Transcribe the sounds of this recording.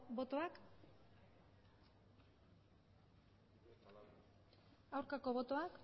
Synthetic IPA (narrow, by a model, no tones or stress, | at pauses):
bo̞t̪o̞ak | awɾkako̞βo̞t̪o̞ak